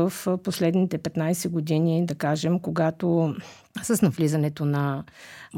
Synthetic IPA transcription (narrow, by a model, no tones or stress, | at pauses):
əfposlɛd̪nit̪ɛpɛt̪najsɛɡod̪inid̪ɐkaʒɛmkoɡat̪o | səsnɐvlizɐnɛt̪onɐ